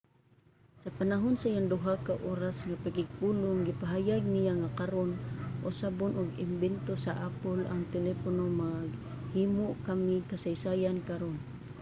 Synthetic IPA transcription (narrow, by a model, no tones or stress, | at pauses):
sapanaɦonsajaŋd̪uɦakaʔoɾasŋapakɪɡ̚pulʊŋɡipaɦajaɡ̚nijaŋakaɾonʔʊsabʊnʊɡɪ̰mbɛnt̪osaʔapʊla̰ŋt̪ɛlɛponomaɡ | himoʔkamikasajsajankaɾon